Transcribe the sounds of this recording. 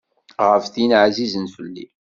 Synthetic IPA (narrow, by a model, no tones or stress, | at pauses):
ʁəfθənʕzizənfəlːḭ